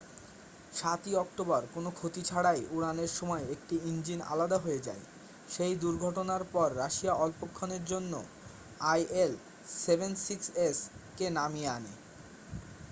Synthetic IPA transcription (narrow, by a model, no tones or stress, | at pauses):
ʃat̪iɔk̚ʈobaɾkonokʰot̪it͡ɕʰaɽajuɾaneɾʃɔmɔeekʈiind͡ʑina̰lad̪aɦoed͡ʑa̰e | ʃejd̪uɾɡʱɔʈonaɾpɔɾːaʃiaʔɔlpokʰːoneɾd͡ʑonːo | ajʔel | sebʱensikseskenamianḛ